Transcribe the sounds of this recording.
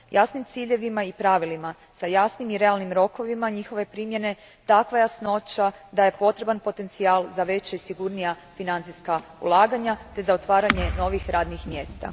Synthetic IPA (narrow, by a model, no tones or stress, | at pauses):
jasnimt̪siːʎe̞ʋimaipɾaʋilima | sajasnimiɾe̞alˠnimɾo̞ko̞ʋimaɲixo̞ʋe̞pɾimje̞ne̞ | t̪akʋajasno̞t͡ɕad̪aje̞po̞t̪ɾe̞banpo̞t̪e̞nt̪siaːlzaʋe̞t͡ɕaisiɡuɾnija | finant̪sijskaṵlˠaːɡaɲat̪e̞zaot̪ʋaːɾaɲe̞no̞ʋixɾaːd̪nixmje̞ːst̪a̰